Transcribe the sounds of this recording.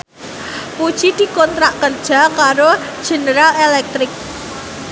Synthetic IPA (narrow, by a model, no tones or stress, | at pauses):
pud̥ʒ̥id̪̥i̤kɔnt̪ɾaʔkərd̥ʒ̥a̤kaɾo | d̥ʒ̥ə̤nəɾalelɛk̚t̪ɾɪk̚